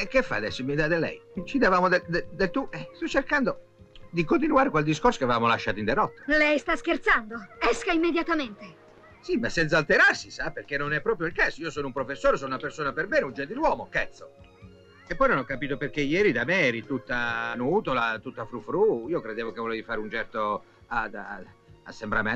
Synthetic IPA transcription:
ɛkːefːa̰ad̪ɛsːomid̪ad̪elːɛ̰jt͡ʃid̪avaːmod̪ed̪ed̪et̪ːuɛst̪ɔt͡ʃːerkand̪o | d̪ikont̪̬inuaːɾekweld̪iskorso̥keavvaːmolaʃːaːt̪oind̪ɛɾɔt̪ːḁlɛjst̪askert̪sand̪oɛskaimːed̪jat̪ament̪e | simasːɛnt̪saːlt̪eɾarsisaperk̟enːonɛpːɾɔːpɾjoilkasoiːosoːnoumpɾofesːoːɾesoːnunapersoːnaperbɛːnund͡ʒɛnt̪̬ilwɔːmokɛt̪sːo | epːɔjnonɔkːapiːt̪operkejɛːɾid̪amɛɛɾit̪ut̪ːanuːt̪olat̪ut̪ːafɾufɾuiːokɾed̪eːvok̟evolɛːvifaːɾeunt͡ʃɛrt̪o | ad̪a̰a̰sːembɾamɛ

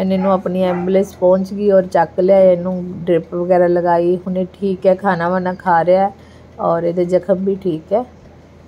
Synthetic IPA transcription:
ɛneːnũːaːpniːɛ̃ːmblespɔ̃ːɲt͡ʃɡiːɔːɾt͡ʃəkleaːenũːɖɾɪpʋəɡɛːɾaːləɡaːiːɦʊnẽːʈʰiːkɛːkʰaːnaːʋanãːkʰaːɾeaɛː | ɔːɾeːd̪eːd͡ʒəkʰəmbiːʈʰiːkɛː

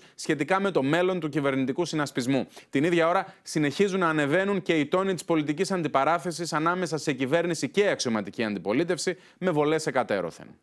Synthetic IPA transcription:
sçe̞t̪ikɐme̞t̪o̞me̞lo̞nt̪ucive̞ɾnit̪ikusinɐspizmut̪iniðʝɐo̞ɾɐsine̞çizunːɐːne̞ve̞nunce̞it̪o̞nit̪i̥spo̞lit̪icisɐnd̪ipɐɾɐθe̞sisɐnɐme̞sɐse̞cive̞ɾnisice̞ɐksio̞mɐt̪iciɐnd̪ipo̞lit̪e̞fsi | me̞vo̞le̞se̞kɐt̪e̞̰ɾo̰θe̞̰n

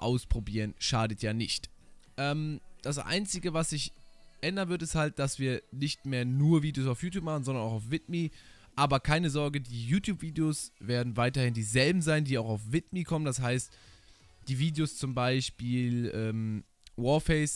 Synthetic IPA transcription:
ʔa̰ʊspʁ̥obiːʁənʃaːdətʰjaːnɪçtʔɛːmd̥as̬ʔa̰ɪnt͡sɪɡəvasz̥ɪçʔɛndɐnvʏɐtɪsthalt̚d̥asv̥iːɐnɪçtmeːɐnuːɐviːdeoːsaʊfjuːtjuːp̚maχn̩zɔndɐnaʊxaʊfv̥ɪtmi | ʔaːbɐkʰaɪnəzɔɐɡədiːjuːtʰjuːpv̥iːdeosv̥eːɐdn̩vaɪtɐhɪndiːzɛlbm̩zaɪndiːaʊxaʊfv̥ɪt̚mikʰɔməndashaɪst | d̥iːviːdeost͡sʊmbaɪʃpiːlʔɛːm | wɔɐfɛɪs

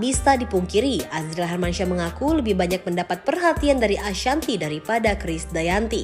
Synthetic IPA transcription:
bisadipuŋkiɾiazlaɦarmanʃaməŋakuləbɪhbaɲak̚məndapat̪̚pərɦat̪iandaɾiʔaʃant̪idaɾipadakɾɪsdajant̪i

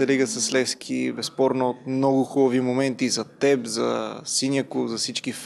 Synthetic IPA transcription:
ɛliɡəsɐslɛsk̟ʰibɛspɔɾnoot̪̚mnɔɡʊxubɐvimomɛnt̪izɐt̪ɛbzɐ̰sinjəkʊzɐfsit͡ʃkif

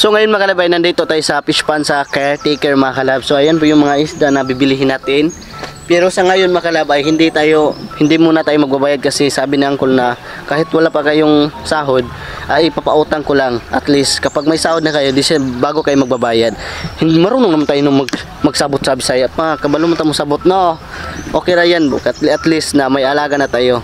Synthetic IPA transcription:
soŋɐjonmɐkɐlabajnɐnd̪ɐt̪ot̪aːjosɐpɪspansɐkat̪ekɛɹmɐŋakɐlabsoʔɐjanpʊjʊŋmɐŋaʔɪsd̪anɐbɪbɪliɦɪnaːt̪ɪn | pɛɾosɐŋajonmɐkɐlabɐjhɪnd̪it̪aːjohɪnd̪ɪmuːnɐt̪aːjomɐɡ̚bɐbaːjɐd̪̚kɐsɛsaːbɪnaaŋkolnɐ | kaːhɪt̪wɐlapɐkɐjoŋsaːɦod̪̚ | ʔɐjɪpapɐʔuːt̪ɐŋkolaŋʔɐt̪list̪kɐpaɡ̚mɐjsaːhod̪nɐkɐjod̪ɪiʃabaːɡokɐjomɐɡ̚bɐbaːjad̪̚hɪnd̪mɐɾuːnoŋnɐmant̪aːjonʊŋmɐɡ | mɐɡ̚sabʊt̪̚saːbɪsajɐt̪̚mɐakɐbalomɐnt̪ajmʊsɐbʊt̪̚noʔ | ʔoːkɛjɾajankɐt̪ʔɐt̪list̪nɐmɐjʔɐlaːɡɐnɐt̪aːjo

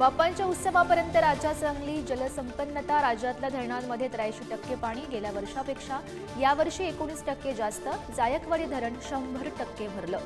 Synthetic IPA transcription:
bapaɲt͡ɕjaut̪səʋapəɾjənt̪əɾad͡ʑasəŋɡliːd͡ʑələsəmpənːət̪aɾad͡ʑat̪lad̪ʱəɾɳanməd̪ʱjet̪ɾajɕiːʈəkːepaɽ̃iːɡeljaʋəɾʂapekʂa | jaʋəɾʂiːekoɽ̃iːsʈəkːed͡zast̪əd͡zajəkʋəɽiːd̪ʱəɾəɳɕəmbʱəɾʈəkːeʋ̤ʱəɾləː

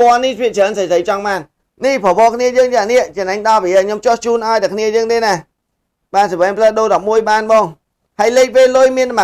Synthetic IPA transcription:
pŏənːihpʰiəʔt͡ɕʰəːnsəjsʰəjt͡ɕɑŋɓaːn | nihpʰɔʋɔːkʰniəjəːŋt͡ɕaniəʔt͡ɕɛnaŋɗɑːpiɲomt͡ɕŏht͡ɕuːnʔaɔjt̪əkʰniəjəːŋt̪eːna | ɓaːnsəʋɛːmpʰləːɗoːɗɑp̚muəjɓaːnɓɔːŋ | hajleːk̚ʋeːlʊjmiənma

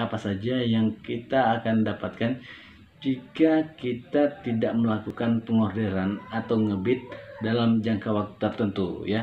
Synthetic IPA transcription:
apasad͡ʒajaŋkit̪aːkandapat̪̚kan | d͡ʒikakit̪at̪idaʔməlakukanpəŋɔrdeɾanat̪awŋəbɪt̪̚dalamd͡ʒaŋkawak̚t̪u̥t̪ərt̪ənt̪uja

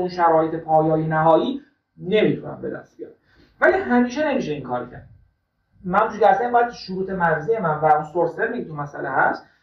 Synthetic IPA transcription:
unʃæɾɒːhet̪ʰepʰɒːjɒːjenæɦɒːjiː | ne̞mit̪ʰunæ̰mbe̞d̪æ̰st̪̚bijɒ̰ːɾ | væliɦæmiːʃene̞miːʃeiŋkʰɒːɾocʰæ̰ɾd̪̚ | mænuʃcæsænimbɒjæt̪̚ʰʃuɾuːt̪ʰe̞mæɾzijemænvæunsoɾsæɾmiket̪umæsæ̰lehæ̰st̪

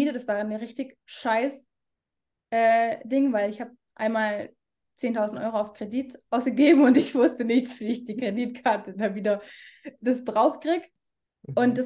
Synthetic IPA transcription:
iːdədasv̥aːʁəniʁɪçtɪçʃaɪs | ʔɛːd̥ɪŋvaɪlɪçhaːb | ʔa̰ɪnmaːl | t͡seːntʰaʊzn̩tʔɔ̰ʏʁoaʊfkʁ̥ediːtʔaʊsɡ̥əɡeːbm̩ʊntɪçv̥ʊstənɪçtv̥iːɪçd̥iːkʁ̥ediːtkʰaɐtədaviːdɐd̥asd̥ʁaʊfkʁ̥ɪːɡ | ʔʊntd̥as

